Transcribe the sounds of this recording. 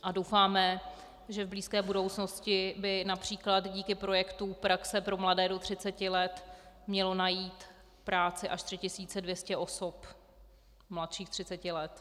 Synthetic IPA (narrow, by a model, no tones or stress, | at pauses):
ʔadowfaːmɛ | ʒɛvbliːskɛːbudo̞wt͡sno̞scɪbɪnapr̝̥iːklat̪ɟiːkɪpɾo̞jɛkt̪upɾaksɛpɾo̞mladɛːdo̞t̪r̝̥ɪt͡sɛcɪlɛt̪ | mɲɛlo̞najiːt̪ | pɾaːt͡sɪʔaʃt̪r̥ɪcɪsiːt͡sɛdvjɛscɛʔo̞sop | mlat̪ʃiːxt̪r̝̥ɪtt͡sɛcɪlɛt̪